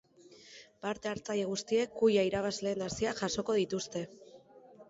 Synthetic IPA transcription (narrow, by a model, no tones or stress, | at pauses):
paɾt̪e̞aɾt͡saje̞ɣ̞ust̪ie̞kːujaiɾaβazle̞ːnasiaʝaso̞ko̞ð̞it̪ust̪e̞